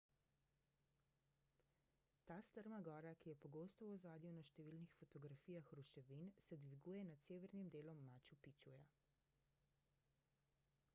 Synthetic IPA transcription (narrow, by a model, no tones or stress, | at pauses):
t̪aːst̪əɾmaɡɔːɾakijɛpɔɡoːst̪ɔwɔzaːd̪juwnaʃt̪ɛʋiːlnixfɔt̪ɔɡɾafiːjaxɾuʃɛʋinsɛd̪ʋiɡuːjɛnat̪seːʋɛɾnimd̪eːlɔmːaːt͡ʃupit͡ʃuja